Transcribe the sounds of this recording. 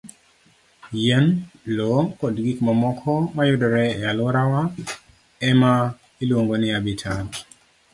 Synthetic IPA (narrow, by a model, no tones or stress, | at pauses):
jɛnlɔkɔdɡikmamɔkʰɔmajʊdɔɾɛɛalʊɾawa | ɛma | ilwoŋɡonɪabitʰan